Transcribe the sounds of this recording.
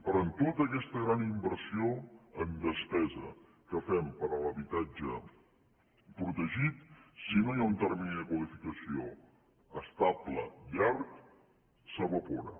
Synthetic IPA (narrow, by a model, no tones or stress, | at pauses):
pəɾɔnt̪ot̪əkɛst̪əɣɾanimbəɾsioənd̪əspɛzə | kəfɛmpəɾələβit̪ad͡ʒə | pɾut̪əʒit̪sinojaunt̪ərminiðəkwəlifikəsio | əst̪ablə̰ʎark | səβəpoɾə̰